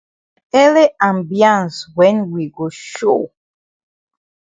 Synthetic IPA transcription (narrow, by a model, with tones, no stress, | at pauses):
ɛ˦le˦ã˨mbjã˨nswɛ̃˨nwi˨ɡo˨ʃo˦